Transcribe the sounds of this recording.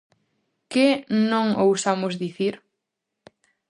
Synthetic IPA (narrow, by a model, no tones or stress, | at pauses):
kɪnõŋowsamʊzðiθiɾ